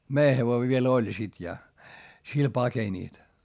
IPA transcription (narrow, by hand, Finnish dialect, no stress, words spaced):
mei heʋoi ʋiel olʲ sit jɑ sil pɑkenʲiˑt